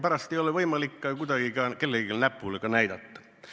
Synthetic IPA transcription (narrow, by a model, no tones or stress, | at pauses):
pɑrɑst̪ioleʋoimɑlikːɑːjkut̪ɑkikɑːnkelːekelnæpːuːlekɑnæit̪ɑt̪ːɑ̥